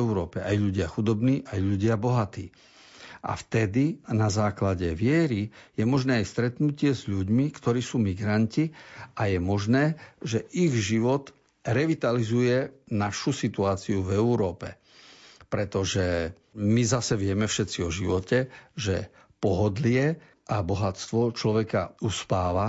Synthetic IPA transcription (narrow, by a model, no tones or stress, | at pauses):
ɛuɾɔːpɛajʎuɟɪaxud̪ɔbniːʔajʎuɟɪabɔɦat̪ḭː | ʔa̰ft̪ɛd̪inazaːklaɟɛʋɪɛɾijɛmɔʒnɛːajst̪ɾɛt̪nucɪɛzʎuɟmikt̪ɔɾiːsuːmiɡɾanciajɛmɔʒnɛːʒɛʔiɣʒiʋɔt̪ | ɾɛʋit̪alizujɛnaʃusit̪uaːt͡siuvɛuɾɔːpɛ | pɾɛt̪ɔʒɛ | mizasɛʋɪɛmɛfʃɛt̪t͡siɔʒiʋɔcɛʒɛ | pɔɦɔd̪lɪɛ | abɔɦat͡st̪ʋɔt͡ʃlɔʋɛkauspaːʋa